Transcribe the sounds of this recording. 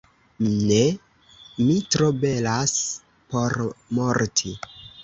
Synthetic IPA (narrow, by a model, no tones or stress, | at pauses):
ne | mitɾo̞be̞las | po̞ɾmoɾtʰi